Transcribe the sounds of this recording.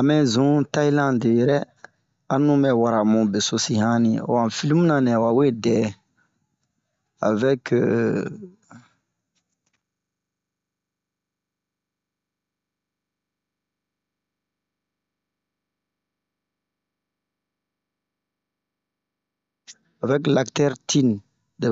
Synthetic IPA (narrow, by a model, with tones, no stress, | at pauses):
a˨mɛ̃˦zũ˦ta˦i˦lã˦de˨jɛ˨ɾɛ˦ | ã˦nũ˦mɛ˨wa˨ɾa˨mũ˨be˨so˨si˦hã˦nĩ˨o̰˨wã˨fi˦li˦mũ˦nã˨nɛ̃˨a˨wa˨we˦dɛ˨ | a̰˨vɛ˦k | a˨vɛ˦kla˨ktɛ˦ɾtʰi˦n | de˨